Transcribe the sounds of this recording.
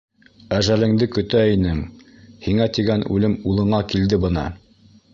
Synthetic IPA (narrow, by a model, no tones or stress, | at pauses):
æʒælɘ̆ŋd̪ɘkɵ̆t̪æinɘŋ | hiŋæt̪iɡænʉ̰lɘmulˠɤ̆ɴɑkild̪ɘbɤ̆nɑ̰